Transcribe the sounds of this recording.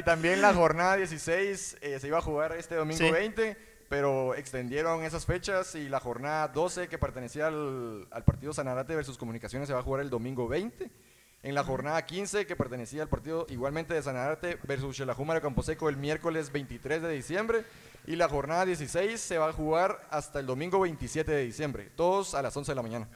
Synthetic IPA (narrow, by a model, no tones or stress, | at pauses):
it̪ambjelaxo̞ɾnaðaðje̞s̬isejseseiβaːxuɣaɾe̞st̪eðo̞mĩŋsɡoβejnt̪e̞ | pe̞ɾoe̞kst̪e̞nd̪je̞ɾo̞ŋe̞s̬asfe̞t͡ʃasilaxo̞ɾnaðaðo̞se̞ke̞pe̞ɾt̪e̞nesiala̰lpaɾt̪iðos̬anaɾat̪eβeɾs̬usko̞mũnikasjo̞nes̬ːeaxuɣaɾeld̪o̞mĩŋɡo̞βe̞jnt̪e | enlaxo̞ɾnaðakinse̞ke̞peɾt̪e̞nesiaːlpaɾt̪iðoʔiɣwalment̪e̞ðes̬anaðat̪e̞βeɾsusʃelaxumaɾjokamposekoelmje̞ɾko̞le̞zbe̞jnt̪it̪ɾe̞zðe̞ðisje̞mbɾe̞ | ilaxo̞ɾnaðaðje̞s̬isejsːe̞βaːxuɣaɾast̪aeld̪o̞mĩŋɡo̞βe̞jnt̪isje̞t̪e̞ðeðisje̞mbɾḛt̪o̞ðo̞salaso̞nse̞ðelamãɲãna